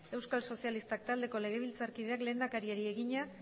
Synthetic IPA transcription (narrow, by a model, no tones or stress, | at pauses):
e̞wskalso̞sialist̪akt̪ald̪e̞ko̞le̞ɣ̞e̞β̞ilt͡saɾkiðe̞akle̞ːnd̪akaɾieɾie̞ɣiɲa